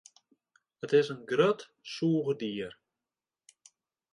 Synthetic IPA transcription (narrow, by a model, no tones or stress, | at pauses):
ətɪsənɡrøt | suːɣədiər